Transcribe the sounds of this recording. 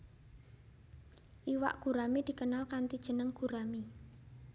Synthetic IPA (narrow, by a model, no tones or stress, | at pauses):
ʔiwa̰ʔɡ̥ṳɾamid̪̥i̤kənalkant̪id̥ʒ̥ə̤nəŋɡ̥ṳɾami